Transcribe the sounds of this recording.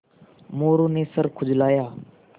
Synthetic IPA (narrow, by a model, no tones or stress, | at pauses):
moːɾuːneːsəɾkʰʊd͡ʒlaːjaː